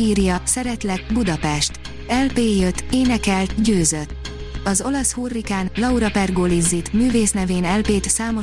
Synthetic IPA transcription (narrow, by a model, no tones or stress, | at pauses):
iːrjɒsɛɾɛt̪lɛt̪̚bud̪ɒpɛʃt̪ | ɛlpeːjøt̪ːeːnɛkɛlt̪ɟøːzøt̪ː | ɒzo̞lɒshoːrːikaːnlɒuɾɒpɛrɡoːlizːit̪myːveːsnɛveːnɛlpeːt̪saːmo̞